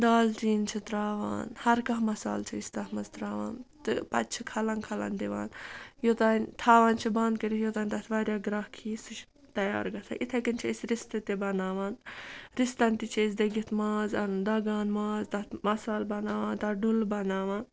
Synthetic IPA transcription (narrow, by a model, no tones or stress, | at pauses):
d̪aːlt͡ʃiːnt͡ʃʰit̪ɾaːʋa̰ːnhɐɾkɐɦmɐsa̰ːlt͡ʃʰiist̪ɐɦmɐzt̪ɾaːʋa̰ːnt̪ɨpɐ̰t̪̚t͡ʃʰikʰɐlɐnkʰɐlɐ̰nd̪iʋa̰ːnjot̪aːnʲt̪ʰaːʋaːnt͡ʃʰibɐnd̪kɐɾijot̪aːnʲt̪ɐt̪ʰʋaːɾʲjaːɡɾɐhkʰiːsɨt͡ʃʰ | t̪ɐja̰ːɾɡɐsʰa̰ʔit̪ʰɐkɐnt͡ʃʰisɾist̪ɨt̪ebɐnaːʋaːnɾist̪ɐnt̪it͡ʃʰes̬d̪ɐɡit̪ʰmaːzɐnd̪ɐɡaːnmaːzt̪ɐt̪mɐsaːlbɐnaːʋaːnt̪ɐɖulbɐnaːʋaːn